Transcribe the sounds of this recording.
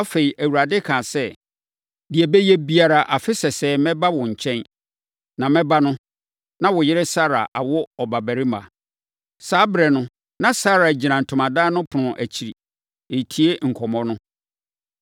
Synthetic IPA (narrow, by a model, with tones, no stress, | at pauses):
a˦fe˨i˨ʔæ˨wu˨ɾa˨dɪ˦kʰã˨sɛ˦ | dɪ˨ɛ˨bɛ˦jɛ˦bi˦a˨ɾa˨ʔa˨fɪ˦sɛ˨sɛː˨˦mɛ̃˦ba˦wɔ̃˨ɲ̩˨t͡ɕʰɛ̃˦n | nã˨mɛ̃˦ba˦nʊ̃˦ | nã˦wʊ˨jɪ˦ɾɪ˦sa˦ɾa˨ʔa˨wʊ˦ɔ˨ba˨bæ˨ɾɪ˦mã̰˨ | saː˦bɾɛ˨nʊ̃˦ | nã˨sa˦ɾa˨d͡ʑi˨nã˨n̩˨tʰʊ̃˨mã˨daː˦nʊ̃˦pʰʊ˨nʊ̃˨ʔæ˨t͡ɕʰi˨ɾi˨ | e˨tʰi˦e˦ŋ̩˨kʰɔ˨mɔ̃˦nʊ̃˦